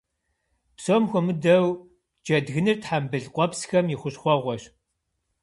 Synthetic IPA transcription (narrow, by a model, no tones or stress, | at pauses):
psoːmxʷɔmɨdɐw | d͡ʒɐdɣɨnɨrtħambɨɮqʷʼɔpsxɐmjɪχʷʊɕχʷɔʁʷɔɕ